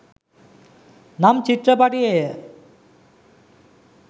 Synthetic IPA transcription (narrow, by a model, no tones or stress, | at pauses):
namt͡ɕit̪ːɾapaʈie